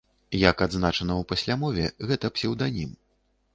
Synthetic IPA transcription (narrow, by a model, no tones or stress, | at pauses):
jakad̪znat͡ʂɐnɐwpasʲlʲamɔvʲɛɣɛt̪ɐpsʲɛwd̪anʲim